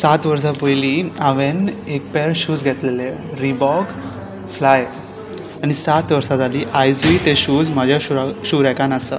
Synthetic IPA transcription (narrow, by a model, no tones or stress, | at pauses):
sat̪ʋəɾs̬apəjliːaʋenek̚pɛɾɕuːd͡zɡʱɛt̪leleɾibɔɡ | flaj | aɽ̃isat̪ʋəɾsad͡zaliːʔajd͡zuit̪eɕuːd͡zm̤ad͡ʑʱjauɕuɾɛkanasə̰